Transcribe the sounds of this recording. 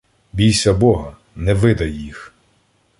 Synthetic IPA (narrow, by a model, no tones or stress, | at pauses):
bʲijsʲɐbɔɦɐ | nɛʋɪd̪ɐjːix